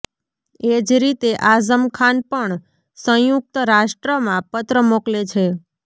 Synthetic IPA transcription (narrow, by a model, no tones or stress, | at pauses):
ed͡ʒɾit̪eʔazəmkʰanpəɳ | sə̃juk̚t̪əɾaʃʈɾəmãpət̪ɾəmoklet͡ʃʰe